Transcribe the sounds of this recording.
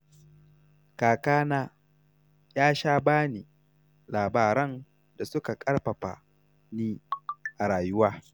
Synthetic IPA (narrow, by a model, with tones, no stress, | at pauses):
kaː˨kaː˦naː˦ | jaː˦ʃaː˦baː˦niː˨ | laː˨baː˨ɾɐ˦n | da˨sʊ˦ka˨kʼɐ˦ɽɸɐ˨ɸa̰˨ | niː˦ʔa˨ɽaː˨jʊ˦waː˦